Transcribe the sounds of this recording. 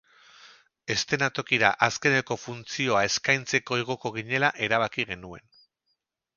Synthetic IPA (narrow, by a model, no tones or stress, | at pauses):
e̞st̪e̞nat̪o̞kiɾaʔaske̞ne̞ko̞funt͡sio̞ae̞skajnt͡se̞ko̞iɣo̞ko̞ɣ̞iɲe̞laʔe̞ɾaβ̞akiɣe̞nue̞n